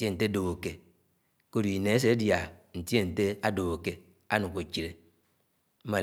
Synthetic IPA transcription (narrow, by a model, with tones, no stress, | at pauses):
e˦˨n̩˨te˦do˨o˨ke˨ | ko˦du˨i˨ne˨˦e˦s̬e˦dja˨n̩˨te˦n̩˨te˦a˦do˨o˨ke˨ | a˦nu˨ko˨t͡ʃi˨ɾe˨ | m̩˦ma˨